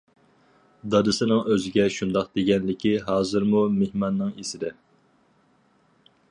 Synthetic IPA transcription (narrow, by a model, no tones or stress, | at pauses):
d̪ɑd̪ɨsɨnɨŋøzɪɡʲɛʃund̪ɑq̚d̪eɡʲɛnlɪkʲiɦɑːzɨɾmumehmɑnːɨŋesɪd̪ɛ